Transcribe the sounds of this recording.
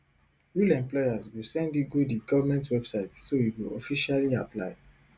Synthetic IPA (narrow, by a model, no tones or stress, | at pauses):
wulɛ̃mplɔjazwilsɛ̃ndiɡodiɡɔvamɛ̃ntwɛbsaɪtsoiwilɔ̰fiʃaliaplaɪ